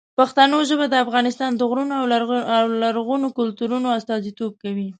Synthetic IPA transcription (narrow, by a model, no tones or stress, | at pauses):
paxt̪anoʒəbad̪əafɣɑnɪst̪ɑnd̪əɣɾunoawawlaɾɣunokʊlt̪uɾunoast̪ɑzit̪ob̚kawi